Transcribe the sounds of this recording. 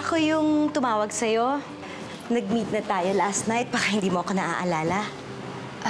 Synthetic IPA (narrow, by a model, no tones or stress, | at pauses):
ʔɐkojʊŋt̪ʊmaːwɐɡ̚sɐjo̞ | nɐɡ̚miːt̪̚nɐt̪aːjolast̪najt̪̚bakɐhɪnd̪iːmoʔɐkonɐʔa̰ʔɐlaːlɐ